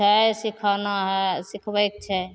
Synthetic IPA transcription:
ɛsikʰanaɦɛsikʰbəjk̚t͡ʃʰɛ

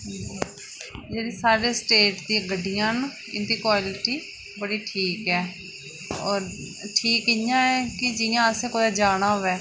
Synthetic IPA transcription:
ɦd͡ʒi | d͡ʒeːɽiːsaːɾeːsʈeːʈd̪ĩːɡəɖijãːn | ɪnd̪iːkʋaːlɪʈiː | bəɽiːʈʰiːkɦɛː | ɔːɾ | ʈʰiːkɪjãːɛːkɪd͡ʒɪjãːəsẽːkod̪aːd͡ʒaːnaːoʋɛː

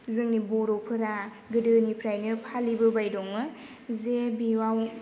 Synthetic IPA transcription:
zɯŋnibɔɾɔpʰɯɾa | ɡɯdɯnipʰɾajnɯpʰalibɯbajdɔŋmɯ | zebiwaw

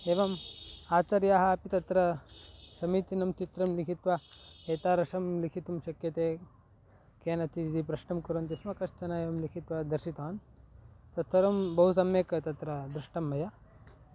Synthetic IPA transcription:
eːʋɐmaːt͡ʃɐɾjaːɦɐɐpit̪ɐt̪ɾɐsɐmiːt̪inɐmt͡ʃit̪ɾɐmlikʰit̪ʋɐeːt̪aːɾɐʃɐmlikʰit̪umʃɐkjɐt̪eː | keːnɐt̪iid̪ipɾɐʃɳɐmkuɾɐnt̪ismɐkɐʃt̪ʰɐnɐeːʋɐmlikʰit̪ʋɐd̪ɐɾʃit̪aːn | t̪ɐt̪ʰɐɾɐmbɐɦus̬ɐmjeːkɐt̪ɐt̪ɾɐd̪ɾuʂʈɐmːɐjɐ

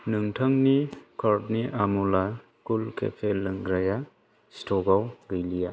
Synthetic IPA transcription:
nɯŋtʰaŋnikʰaɾt̚niʔamula | kulkʰḛpʰelːɯŋɡɾaja | stʰɔɡawɡɯjlija

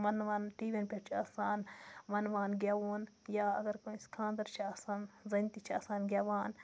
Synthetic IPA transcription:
mɐnʋaːnʈiːʋʲinpʲeɾt͡ʃʰiaːsaːnʋɐnʋaːnɡʲaːʋoːnjaːɐɡɐɾkoːskʰãːnd̪ɐɾt͡ʃʰiaːsaːnzɐnʲt̪it͡ʃʰiaːsaːnɡʲjaːʋaːn

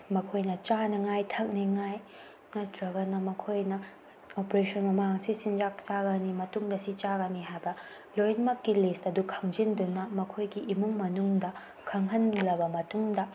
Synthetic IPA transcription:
mɐkʰojnɐt͡ʃanɐŋajtʰɐk̚niŋaj | nɐtɾɐɡɐnɐmɐkʰojnɐ | opɾesɔnmɐmaŋsisind͡ʒak̚t͡ʃaɡɐnimɐtuŋdɐsit͡ʃaɡɐniɦajbɐ | lojnmɐkːilestɐdukʰɐŋd͡ʒindunɐmɐkʰojɡiʔimuŋmɐnuŋdɐ | kʰɐŋɦɐnlɐbɐmɐtuŋdɐ

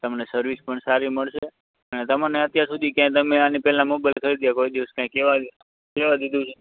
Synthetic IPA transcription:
t̪əmnesəɾʋispəɳsaɾiməɭʃe | ənet̪əmaneət̪jaɾsud̪ʱikjãt̪əmeanipɛlãmobalkʰəɾid̪jakoid̪iʋəskjãkeʋa | keʋad̪id̪ũt͡ʃʰe

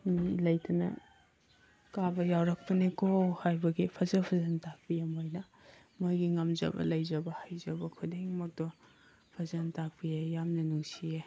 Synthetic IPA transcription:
milɐjtɐnɐ̰ | kabɐjawɾɐk̚pɐnikohajbɐɡipʰɐzɐpʰɐzɐntak̚pijamojnɐ | mojɡiŋɐmzɐ̰bɐ̰lɐjzɐbɐhajzɐbɐkʰudeŋmɐk̚dɔ | pʰɐzɐntak̚pijejamnɐnuŋsije

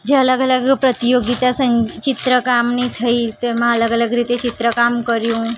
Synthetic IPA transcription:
d͡ʒeələɡələɡpɾət̪ijoɡit̪asəŋt͡ʃɪt̪ɾəkamnit̪ʰəit̪emãələɡələɡɾit̪et͡ʃɪt̪ɾəkamkəɾjũ

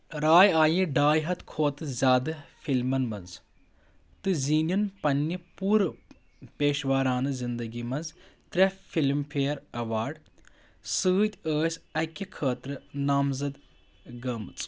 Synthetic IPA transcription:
ɾaːjaːjĩɖaːjɦɐt̪kʰoːt̪ɨzʲaːd̪ɨfʰilmɐnmɐnz | t̪ɨziːnʲɐnpɐnːipuːɾ | peːʃʋaːɾaːnɨzind̪ɐɡimɐnzt̪ɾʲɐfʰilmpʰeːɾɐʋaːɾɖ | sɨːt̪ʲəːsʲɐkʲːikʰəːt̪ɾɨnaːmzɐd̪ | ɡɐmɨt͡s

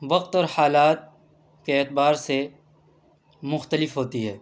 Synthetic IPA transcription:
ʋɐqt̪ɔːɾhaːlaːt̪̚ | keeːt̪baːɾse | mʊxt̪əlɪfɦoːt̪iɦɛː

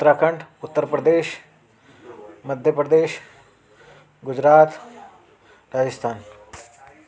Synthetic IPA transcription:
t̪ːɾaːkəɳɖʊt̪ːəɾpɾəd̪eːʃ | məd̪ʱjəpɾəd̪eːʃ | ɡʊd͡ʒɾaːt̪ | ɾaːd͡ʒəst̪ʰaːn

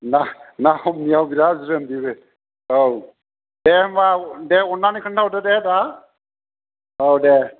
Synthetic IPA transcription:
nanahɔmnijawbiɾaziɾɯmdibe | ow | demadeɔnːanikʰɯntʰawdededa | owde

